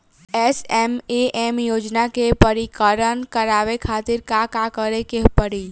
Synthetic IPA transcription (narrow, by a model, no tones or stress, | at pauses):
esemeʔemjod͡ʒnakepəɾikəɾənkəɾaʋekʰat̪iɾkakakəɾekeɦpəɾiːl